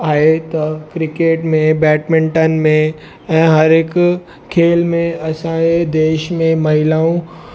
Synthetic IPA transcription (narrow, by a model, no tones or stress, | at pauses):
aːɦet̪ɐkɾɪkeːʈmẽbɛːʈmẽɳʈənɪ̆mẽ | ɛ̃ːɦɐɾɦɪk | kʰːeːlmẽɐsãed̪eːʃmẽmɐɦɪlaːũ